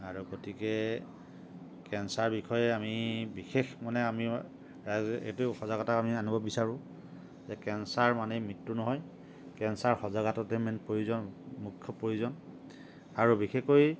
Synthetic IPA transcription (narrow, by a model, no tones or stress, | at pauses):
aɹuɡotikɛ | kɛnsaɹbixʰɔjɛamibixexmanɛami | ɹazḛjtuxɔzaɡɔtakamianibɔbisaɹʊ̃ | zɛkɛnsaɹmanejmitːunɔɦɔj | kɛnsaɹxɔzaɡatɔtemɛnpɹojuzɔnmukʰjɔpɹojuzɔn | aɹubixekoj